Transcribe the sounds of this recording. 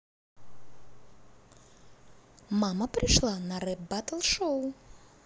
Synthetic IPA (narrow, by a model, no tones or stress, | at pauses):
maməpɾʲɪʂlˠanɐɾɛp̚bat̪əlˠʂow